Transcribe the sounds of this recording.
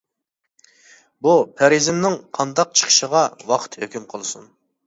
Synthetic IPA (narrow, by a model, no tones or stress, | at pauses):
bupʰæɾizɪmnɪŋqʰɑnd̪ɑq̚t͡ʃʰə̥χʰə̥ʃəʁɑwɑqʰə̥t̪høkʲymqʰəlˠɨsun